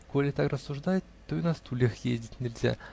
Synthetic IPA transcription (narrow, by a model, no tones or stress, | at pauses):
kolʲɪt̪akrəsːuʐd̪ajɪt̪ːoinast̪ulʲexjḛzʲdʲɪtʲnʲɪlʲzʲa̰